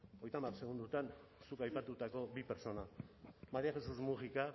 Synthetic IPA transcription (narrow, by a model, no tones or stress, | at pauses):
o̞jt̪amarse̞ɣund̪ut̪ansukajpat̪ut̪ako̞bipe̞ɾt͡so̞namaɾiaxe̞suzmusika